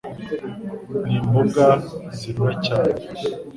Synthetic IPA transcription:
niːmbuɡaziɾacaːne

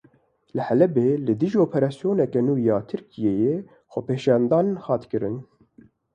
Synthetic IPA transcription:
lɨhɛlɛbeːlɨd̪ɨʒioːpʰɛɾɑːsjoːnɛkɛnuːjɑːt̪ʰɨɾkijeːje | xɔpeːʃɑːnd̪ɑːnhɑːt̪kɨɾɨn

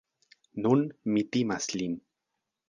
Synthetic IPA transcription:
nunmit̪imaslin

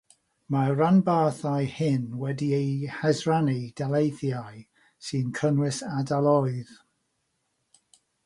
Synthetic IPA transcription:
maranbaːθajhɪnwɛdiejhɛzranid̥alˠejθjaj | sɨnkʰənwɪsadalˠɔɨð

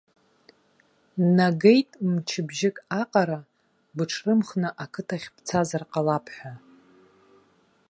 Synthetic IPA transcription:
naɡejtʼmt͡ʃʰɪbʒɪkʼaqʼaɾa | bɨʈ͡ʂʰrɨmχnɨʔakʰɨtʰaχʲpʰt͡sʰazarqʼalapʰħʷᶣa

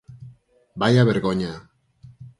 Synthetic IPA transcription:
bajaβeɾɣoɲa

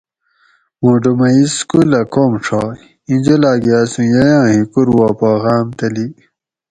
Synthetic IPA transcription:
mũɖomɐiskulɐkoːmʂʰa | ĩnd͡ʑolaːɡijaːsũjɐjãːɦĩkuɾwaːpaːɣaːmt̪ɐli

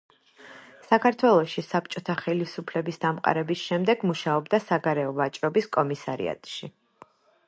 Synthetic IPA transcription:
sakʰaɾt̪ʰwɛlˠɔʃisap̚t͡ʃʼɔt̪ʰaχɛlisupʰlɛbisd̪amqʼa̰ɾɛbisʃɛmd̪ɛɡmuʃaɔbd̪asaɡaɾɛɔvat͡ʃʼɾɔbiskʼɔmisaɾḭa̰t̪ʼʃi

